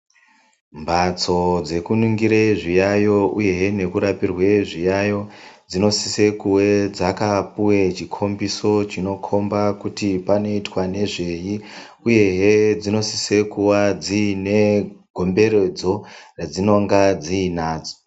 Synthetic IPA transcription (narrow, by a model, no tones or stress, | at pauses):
mbat͡so̞d͡ze̞kunuŋɡiɾeʐijajo̞ʔuje̞ɦene̞kuɾapirwe̞ʐijajo̞d͡zino̞sise̞kuwe̞d͡zakapuwet͡ʃikʰo̞mbiso̞t͡ʃino̞kʰo̞mbakutipano̞itwane̞ʐe̞ji | uje̞ɦed͡zino̞si̥se̞kuwad͡zine̞ɡʱo̞mbe̞ɾe̞d͡zo̞red͡zino̞ŋɡad͡ziːnaːd͡zo